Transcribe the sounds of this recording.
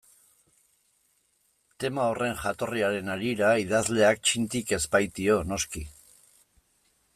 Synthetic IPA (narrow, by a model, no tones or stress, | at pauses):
t̪e̞maore̞ŋʝat̪o̞riaɾe̞naɾiɾaiðazle̞ak̚t͡ʃint̪ike̞zpajt̪io̞no̞ski